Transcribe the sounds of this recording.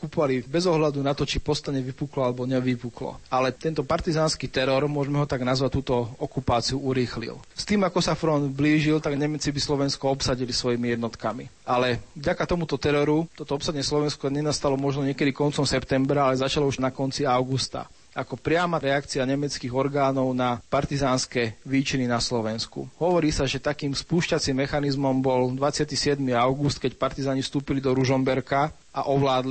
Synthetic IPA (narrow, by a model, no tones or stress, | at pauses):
kupɔʋalibɛzɔɦlad̪unat̪ɔt͡ʃipɔst̪aɲɛʋipuklɔalɛbɔɲɛʋipuklɔ̰alɛt̪ɛnt̪ɔpaɾt̪izaːnskit̪ɛɾɔɾmʊɔʒmɛɦɔt̪aɡnazʋac̚t̪uːt̪ɔɔkupaːt͡siuuɾiːxlḭlst̪iːmakɔsafɾɔnd̪bliːʒilt̪aɡɲɛmɛt͡sibislɔʋɛnskɔɔpsaɟilisʋɔjimijɛd̪nɔt̪kami | alɛvɟakat̪ɔmut̪ɔt̪ɛɾɔɾut̪ɔt̪ɔɔpsaɟɲɛslɔʋɛnskɔɲɛnast̪alɔmɔʒnɔɲɪɛkɛd̪ikɔnt͡sɔmsɛpt̪ɛmbɾaalɛzat͡ʃalɔuʒnakɔnt͡siaʊɡust̪a̰ | akɔpɾɪamaɾɛakt͡siaɲɛmɛt͡skiːɣɔɾɡaːnɔʊnapaɾt̪izaːnskɛʋiːt͡ʃininaslɔʋɛnskṵɦɔʋɔɾiːsaʒɛt̪akiːmspuːʃcat͡simːɛxanizmɔmbɔld̪ʋat͡sɪat̪isɪɛd̪miaʊɡust̪kɛcpaɾt̪izaːɲifst̪uːpilid̪ɔɾuʒɔmbɛɾka | ʔaʔɔʋlaːd̪li